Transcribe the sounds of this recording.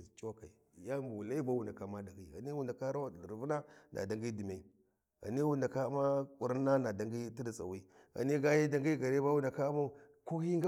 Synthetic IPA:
t͡ʃi˦wa˦ka˨i˨ | ja˦mu˨la˦i˦ba˦wu˨nda˨ka˨ma˦da˨ɡi˦˨a̰˨ni˦wu˦nda˨ka˦ɾa˦wa˦dɾvu˦na˦na̰˨da˨ŋɡi˦di˨ma˨i˨ | ɣa̰˨ni˦wu˦nda˨ka˦ma˦ku˨ɾa˦na˦na˨da˨ŋɡi˦ti˦da˨sa̰˨wi˦ | ɣa̰˨ni˦ɡa˦ji˦da˦ŋɡi˦ɡa˨ɾe˦ba˦wu˦nda˨ka˦ma˦ko˦hi˦ŋɡa˦

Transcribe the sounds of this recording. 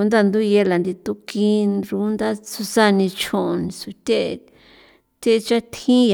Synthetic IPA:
nd̪a˦˧nd̪u˦˧je˧la˨nd̪i˧t̪u˧kĩ˧˦ɾu˨˦nd̪a˦t͡su˧sa˦˧nĩ˧t͡ʃʰũ˧˨ʔn˧su˨t̪ʲe˦ʔ | t̪ʲe˦˧t͡ʃa˦t̪ʰĩ˦ja˧

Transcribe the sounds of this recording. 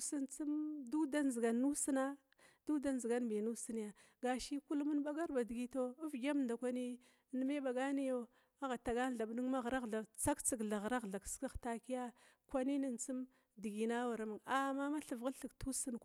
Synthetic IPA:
si˦nt͡si˦mdu˦da˦nzi˨ɡa˨nːu˦si˦na˦ | d̥u˦da˦n˦zi˨ɡa˦nbi˨nu˦si˨n˨ja˨ɡa˨ʃi˦ku˦lmə˦nba˦ɡa˦ɾba˨di˨ɡi˦to˦i˦vɡʲa˦m˦nda˨kʷa˦ni˦ | n˦me˦ba˨ɡa˦ni˦jo˦ | a˦ɣa˨ta˨ɡa˦n˦ɮa˨ɓni˦ŋma˦ɣɾa˦ɣɮa˨t͡sa˦kt͡si˨ɡɮa˨ɣɾa˦ɣɮa˨kski˦xta˦ki˦ja˦kʷa˦ni˦ni˨nt͡si˦m | di˨ɡi˨na˦wa˨ɾa˦mu˨ŋa˨ma˦ma˦ɬə˨vɣə˦ɬə˨ktu˦si˦n

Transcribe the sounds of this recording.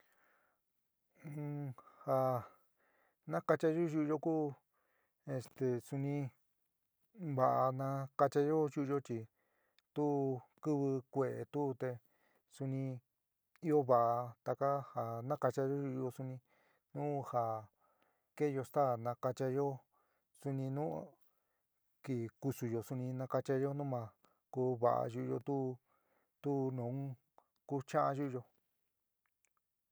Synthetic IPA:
ha˧ | nã˦ka˧t͡ʃa˧ʒo˦ʒu˧jo˧kuː˦ | e˧st̪e˨su˧nĩ˧ | βa˨ʔa˧nã˧˦ka˧t͡ʃa˧jo˦ʒu˧ʔjo˦t͡ʃi˧ | t̪u˦˧kɨ˦βɨ˧kʷe˧˨ʔḛ˨t̪u˦˧t̪e˧ | su˧nĩ˧ | i˦o˦βa˧˨ʔa˧t̪a˧ka˦ha˨nã˦ka˧t͡ʃa˧jo˦ʒu˧jo˧su˧nĩ˧ | nũː˦ha˨ | ke˦˧jo˧st̪a˦˨nã˧ka˧t͡ʃa˧jo˦ | su˧nĩ˧nũ˦ | ki˨ku˧su˧jo˧su˧nĩ˧nã˧ka˧t͡ʃa˧jo˦nũ˦mã˧ | ku˦βa̰˧˨ʔa̰˧ʒu˧ʔjo˧t̪u˦ | t̪u˦nõ˨ũ˦ | ku˦t͡ʃã˦ʔã˧ʒu˦˧jo˧

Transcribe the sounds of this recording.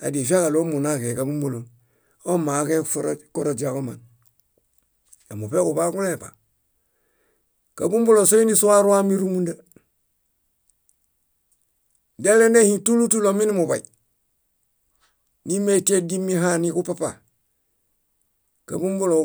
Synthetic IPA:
a̰˨di˨fi˦a˦ka˨lo˦mu˨na˦ke˨ka˨bu˦mbo˨lo˨n | o˦ma˨˦ke˦fɾko˦ɾo˨d͡ʒa˨ko˦ma̰˨n | e˨mu˨pe˦ku˨ba˦ku˦le˦˨pa̰˨ | ka˨bu˦mbo˦lo˨so˦i˦ni˦su˦a˦ɾu˦wa˦mi˦ɾu˦mu˦nda˦ | de˦le˦nde˦hĩ˨tu˦lu˦tu˦lo˨mi˦ni˦mu˨ba˨j | ni˦me˦˨te˦di˦mi˦ɦa˦ni˦ku˦pa˦pa˨ | ka̰˨bu˦mbo˦lo˨

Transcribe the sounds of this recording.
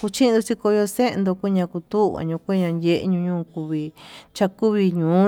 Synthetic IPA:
ku˧t͡ʃĩ˦˧nd̪u˧t͡ʃi˧ko˧jo˧sẽ˦ʔnd̪o˧kʷe˦˧ɲã˧ku˧t̪u˦˨βa̰˨ɲũ˧kʷe˦ɲã˧njʲe˧˦ʔḛ˧˦ɲũ˧ɲũ˧ku˧βi˧t͡ʃa˧ku˦βi˧ɲũː˨˦

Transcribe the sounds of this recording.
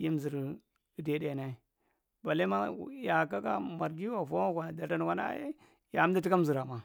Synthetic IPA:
ji˦m˨zi˨ɾ | de˦da˨na˦i˦ | ba˨le˦ma˦ja˨ka˦ka̰˦ma˨ɾɡi˦wa˨fa˦ma˦kʷa˨da˨ta˦nu˨kʷa˦na̰˦ | ja˨˦m˦di˦t̬i˦ka˦m˨zi˨ɾa˨ma˨

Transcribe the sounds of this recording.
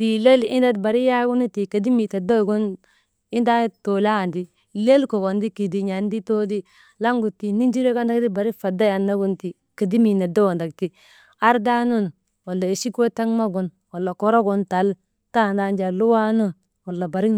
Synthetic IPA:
di˨le˦lḭ˦nda˦dba˨ɾi˦ja˦ɡu˦ni˦ti˨kə˨di˦mi˨ta˨do˦˨ɡu˦n | i˦nda˦to˨la˦˨ndi˨ | le˦lko˨ɡo˨ndi˦ki˨di˨ɲa˨ndi˦to˦di˦ | la˦ŋɡu˨ti˨ni˦nd͡ʒi˦ɾe˦ka˦nda˦kti˦ba˨ɾi˦fa˨da˦ja˨nːa˦ɡu˦nti˨ | kə˨di˦mi˨na˨do˦wa˨nda˨k̚ti˦ | a˦ɾda˦nu˦n | wa˨lːa˨e˨ʃi˦ke˦ta˦ŋma˦ɡu˨n | wa˨lːa˨kɔ˦ɾo˦ɡo˨nta˨l | ta˦˨nda˦nd͡ʒa˨lu˦wa˦nu˦n | wa˨lːa˨ba˨ɾi˦

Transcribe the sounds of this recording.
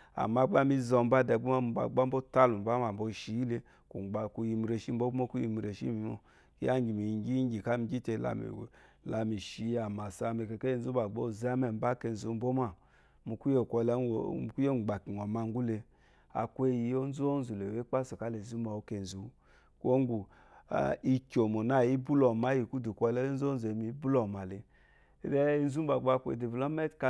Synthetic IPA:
a̰˨ma˨˦ɡ͡ba˦mi˦zɔ˧m̩˦ba˦˨dɛ˧˨ɡ͡bu˦a˦m˨ba̰˨ɡ͡ba˦m̩˦bo˦ta˦lu˨m˨ba˦ma˨m˨bo˧ʃi˨˦i˦le˧ | kṵ˨ŋ͡mɡ͡ba˨ku˧ji˧mi˧ɾe˧ʃi˦m̩˦bo˦mo˦ku˦ji˧mi˧ɾe˨ʃḭ˦mi˨˦mo̰˦ | kḭ˦a˦ŋ˦ɡi˨mi˨i˨˦ɡi˦ɡi˨ka˦mi˧d͡ʒi˦te˧la̰˨ | la˨mi˨ʃi˨˦a˨ma˨sa˧˨me˧˨ke˨ke˦e˧n˦zu˦ba˨ɡ͡bo˦˨za˦mɛ˨m̩˦ba˦ke˧n˨zu˨˧˨m̩˦bo˦ma˦˨ | mu˨ku˦je˦˨kʷɔ˧˨lku˦je˦˨ŋ͡mɡ͡ba˨ki˨ŋ˨ɔ˨ma˧ŋ˦ɡu˦le˧ | a̰˨kʷe˦˧ji˧˦o˦n˦zo˦n˦zu˨le˨we˦k͡pa˦so˨ka˨˦le˨zu˦m˦a˨o˦ke˨n̩˨zu˨˦ | ku˦o˦ŋ˦ɡṵ˨ | i˧kʲo˨mo˨na˦˨ji˦bu˦lɔ˨ma˦ji˨ku˦du˨kʷɔ˧˦lɛ˦n̩˦zo˦n˦zu˨e˨mi˨˦bu˦lɔ˨ma˨le˨˦ | ɾe˦e˧n˦zu˦ba˨ɡ͡ba˧˨kḛ˨de˨vlɔ˦mɛ˦tka˦

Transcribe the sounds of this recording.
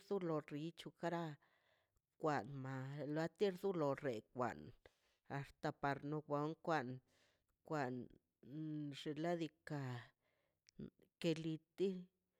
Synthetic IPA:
ɾzu˦lo˨ɾi˧˦t͡ʃu˧ka˦ɾa˦ | kʷa˨nma˨lo˧a˦t̪i˦ɾzu˦lo˨ɾe˨kʷa̰˨ʔn | a˨st̪a˨pa˨ɾno˧bo˨˦ŋkʷa˧n | kʷa˨n | ʐ̥i˧la˦d̪i˧ka˨ | ke˧li˧t̪i˦

